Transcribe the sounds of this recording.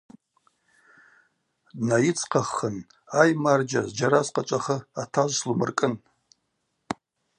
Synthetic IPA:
dnajit͡sʰqʰaχːən | ajmard͡ʒa̰zd͡ʒaɾazqʼat͡ʃʷʼaχəatʰaʒʷslumɨ̰rkʼɨn

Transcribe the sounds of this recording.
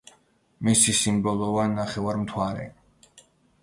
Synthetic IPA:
misisimbɔlˠɔvanaχɛvaɾmt̪ʰwaɾɛ̰

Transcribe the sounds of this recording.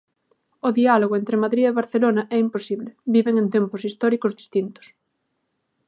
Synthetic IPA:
oðialoɣoent̪ɾemaðɾieβaɾθelonaʔɛimposiβlebiβeŋẽnt̪emposist̪ɔɾikozðist̪int̪o̥s

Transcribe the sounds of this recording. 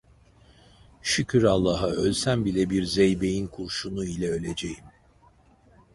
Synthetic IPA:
ʃycʰyɾalˠːaɦaølʲsænbilʲɛbiɾzejbe̞jinkʰuɾʃunuilʲɛø̞lʲe̞d͡ʒejim

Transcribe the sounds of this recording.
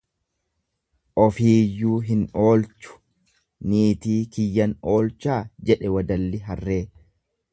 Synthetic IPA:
ʔɔfiːjːuːɦɪno̞ːlt͡ʃʊ̥ | niːt̪iːkɪjːɐno̞ːlt͡ʃaːd͡ʒɛᶑɛwɐd̪ɐlːɪɦɐrːe̞ː

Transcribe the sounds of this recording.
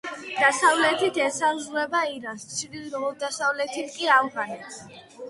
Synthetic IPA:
d̪̥asavlɛt̪ʰit̪ʰɛsazuɛbaiɾanst̪sʰlilɾɔvɔd̪asavlɛt̪ʰit̪ʰkʼiavɡanɛt̪

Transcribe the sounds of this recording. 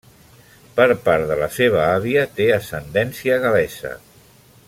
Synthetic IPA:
pəɾpaɾðələseβ̞əaβiət̪eəsənd̪ɛnsiəɣəlɛsə̰

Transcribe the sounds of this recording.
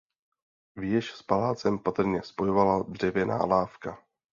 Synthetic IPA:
vjɛʃspalaːt͡sɛmpat̪r̩ɲɛspo̞jo̞valad̪r̝̥ɛvjɛna̰ːlaːfka

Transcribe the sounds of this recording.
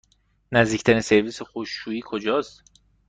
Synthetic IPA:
næzd̪iːcʰt̪ʰæninse̞ɾviːsexoʃːuːiːkʰo̞d͡ʒɒːst̪

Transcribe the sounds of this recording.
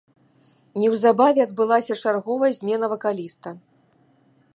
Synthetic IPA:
nʲɛwzabavʲɛaɐd̪̚bɨlˠasʲɐt͡ʂarɣɔvɐjɐzʲmʲɛnɐvɐkalʲist̪ɐ

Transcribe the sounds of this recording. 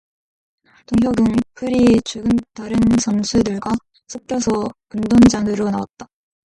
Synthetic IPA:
toŋɦjʌɡɯnpʰɯɾit͡ɕuɡɯntaɾɯnsʰʌnsʰudɯɭɡwa | sʰok̚k͈jʌsʰʌkundond͡ʑaŋɯɾonawa̰t̚t͈a

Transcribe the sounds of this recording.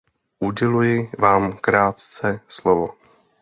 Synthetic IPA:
ʔuɟɛlujɪvaːmkɾaːt̪t͡sɛslovo̰

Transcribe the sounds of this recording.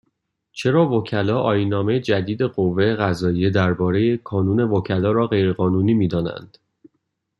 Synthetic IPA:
t͡ʃʰe̞ɾɒːvocʰælɒːʔɒːjiːnɒːme̞jed͡ʒæd̪iːd̪e̞ɢovːejeɣæzɒːije̞d̪æɾbɒːɾe̞jekʰɒːnuːne̞vocʰælɒːɾɒːɣe̞jɾe̞ɣɒːnuːniːmiːd̪ɒːnæ̰nd̪̥

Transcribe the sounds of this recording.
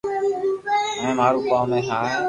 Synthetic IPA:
mẽːmaːɾũːkaːmẽːɦaː

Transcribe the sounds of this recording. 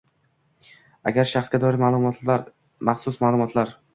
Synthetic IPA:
a̰ɡʲaɾʃaχsɡʲad̪ɒɾɪmamaɾ | maχsʊsmalˠʊmɒt̪ʰlaɾ

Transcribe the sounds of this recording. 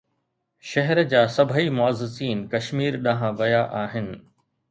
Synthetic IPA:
ʃɐɦɛɾd͡ʑaːsɐbʱəimʊəzɪsiːnkɐʃmiːɾɗãɦãʋɐjaʔaːɦɪnɪ̆

